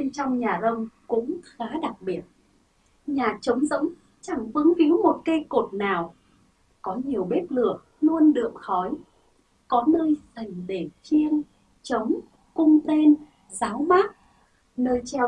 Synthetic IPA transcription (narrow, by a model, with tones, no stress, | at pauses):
ɓe˧nt͡ɕɔ˧wŋ͡mɲaː˨˩zə˧wŋ͡mkʊ̰˧˥ŋ͡mxaː˨˦ɗa˨˩k̚ɓi˨˩ət̚ | ɲaː˨˩t͡ɕə˨˦wŋ͡mzə̰˧˥ŋ͡m | t͡ɕa˧˩ŋfɨ˨˦əŋfi˨˦əwmo˨˩t̚ke˧jko˨˩t̚naː˨˩w | kɔ˨˦ɲi˨˩əwɓe˦˥p̚lɨ˧˩ə | nu˧ənɗɨ˨˩˨əŋxɔ˨˦j | kɔ˨˦nəː˧jzə˨˩ŋɗe˧˩t͡ɕi˧ən | t͡ɕə˨˦wŋ͡m | kʊ˧ŋ͡mt̪e˧n | zaː˨˦wmaː˦˥k̚ | nəː˧jt͡ɕɛ˧